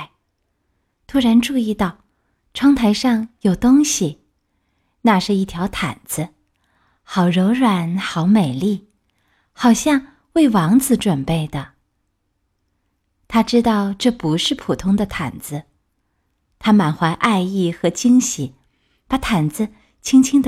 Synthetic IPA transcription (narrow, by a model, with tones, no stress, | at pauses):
t̪ʰu˥ɻa˧˥nʈ͡ʂu˥˧i˥˧t̪ɑ˥˩ʊ | ʈ͡ʂʰwɑ˥ŋt̪ʰa˧˥ɪʂɑ˥˩ŋjo˨˩ʊt̪ʊ˥ŋɕi˨˩ | na˥˧ʂɻ̩˥˧i˥˩t̪ʰjɑ˧˥ʊt̪ʰa̰˨˩nd͡z̩˦ | xɑ˨˩ʊɻo˧˥ʊɻwa˨˩nxɑ˧˥ʊme˨˩ɪli˥˩ | xɑ˨˩ʊɕjɑ˥˧ŋ | we˥˩ɪwɑ˧˥ŋt͡sɹ̩˧ʈ͡ʂwə˨˩npe˥˩ɪd̪ə˩ | t̪ʰa˥ʈ͡ʂɻ̩˥t̪ɑ˥˧ʊʈ͡ʂɤ˥˩pu˧˥ʂɻ̩˥˩pʰu˨˩t̪ʰʊ˥ŋd̪ə˨t̪ʰa˨˩nd͡zɹ̩˦ | t̪ʰa˥ma˨˩nxwa˧˥ɪʔa˥˧ɪi˥˩xɤ˧˥t͡ɕi˥ŋɕi˨˩ | pa˨˧˥t̪ʰa˨˩nd͡z̩˧ | t͡ɕʰi˥ŋt͡ɕʰi˥ŋd̪